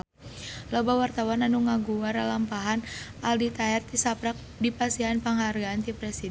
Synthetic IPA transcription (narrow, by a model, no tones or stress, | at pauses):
lɔbawart̪awananuŋaɡuwaɾalampaɦanʔaldit̪aɦɛrt̪isapɾak̚dipasiɦanpaŋɦarɡaːnt̪ipɾɛsi